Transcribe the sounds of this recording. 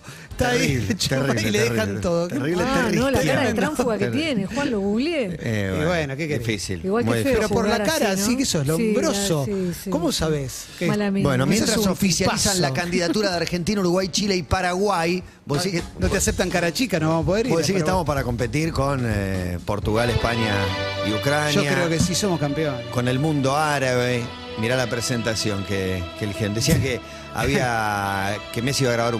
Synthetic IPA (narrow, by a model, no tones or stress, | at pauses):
t̪ait͡ʃiileðexant̪oðokteiβleeriaent̪amfuɣakejenexwanloɣuɣljeḛβiβwenokekeiefisḭliɣwalmðpeɾopoɾlakaɾasikeesoelombɾosookomosaβes | kelmibwenomjenat̪aɾasofissjalpasanlakand̪iðat̪uɾaðeaɾxent̪̬inauɾuɣwajt͡ʃileipaɾaɣwaj | bosiɾenot̪easep̚t̪aŋkaɾat͡ʃikanoβamopoðeɾboðesiɾket̪aamo̞spaɾako̞mpet̪iɾkonepoɾt̪uɣalehpaɲjaiukɾanojakɾeokesisomokampeonko̞nelmũnd̪o̞aɾaβe | miɾalapɾesent̪asjo̞ŋkekelxend̪esiake | a̰βia | kemesiβaɣɾaβaɾu